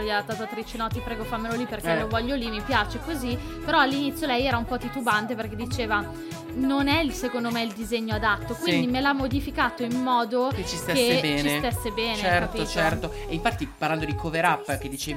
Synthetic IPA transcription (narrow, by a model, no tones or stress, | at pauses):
iadat̪ːaːt̪oat̪ːɾit͡ʃenɔt̪ipɾɛːɡofamːeloliperkelovɔʎːolimipjaːt͡ʃekozi | peɾɔalːinit̪sjolɛjɛːɾaumpɔt̪it̪ubant̪eperked̪it͡ʃeːva | nonɛilsekond̪omeild̪izeɲːoad̪at̪ːokwind̪imelamːod̪ifikaːt̪oimːɔːd̪oket͡ʃistt̪eseebɛːt͡ʃisest̪esːebɛːneɛkatpiot͡ʃɛrt̪o | eiɱfat̪ːipaɾrland̪od̪ikʰoveɾapːked̪ːit͡ʃeːv